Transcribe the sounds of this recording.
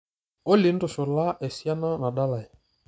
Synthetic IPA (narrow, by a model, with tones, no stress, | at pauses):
ɔ˦li˨˦n˦dɔ˨ʃɔ˨la˦ʔɛ˨si˦a˦na˦na˨ɗa˦la˨ɛ˨